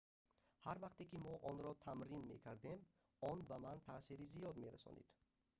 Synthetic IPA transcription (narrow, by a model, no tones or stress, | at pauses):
haɾvaqt̪ekimɔʔɔnɾɔt̪ʰamɾinmḛkʰaɾd̪e̞m | ɔnbamant̪ʰaːsiɾizijɔd̪me̞ɾa̰sɔ̰nḭd̪̥